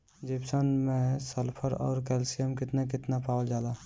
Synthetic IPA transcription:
d͡ʒibsənmẽsəlpʰəɾɔ̰ːɾkɛːlsijəmkɪt̪nekɪt̪napaːwld͡ʒaːlaː

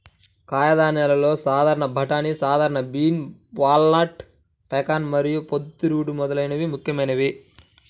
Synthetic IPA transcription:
kaːjɐd̪aːnɛlɐlo̞ːsaːd̪ʱaːɾɐɳɐbʱɐʈaːnisaːd̪ʱaːɾɐɳɐbiːnʋaːlnaːʈ | pɛkaːnmɐɾijupod̪ːuɾuːɽumɔd̪ɐlɐjnɐʋimukʰjɐmɐjnɐʋi

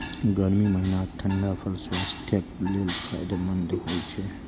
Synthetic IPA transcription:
ɡəɾmiməɦinaʈʰəɳɖapʰəlswaːst̪ʰjəkleːlpʰa̰jd̪mənd̪əojt͡ʃʰe

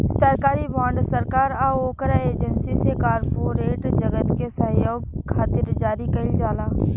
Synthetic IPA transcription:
səɾkaːɾibãːɳɖsəɾkaːɾaoːkɾaeːd͡ʒənsisekaːɾpoːɾeːʈd͡ʒɐɡət̪kesɐ̃ɦjoːɡ̚kʰːaːt̪ɪɾd͡ʒaːɾikɐɪld͡ʒaːlaː

